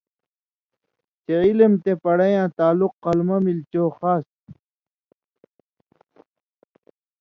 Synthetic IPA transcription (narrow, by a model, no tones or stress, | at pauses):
t͡ɕeilemt̪epɐɽɐjãːt̪aːluqːɐlmɐmilt͡ɕoːxaːs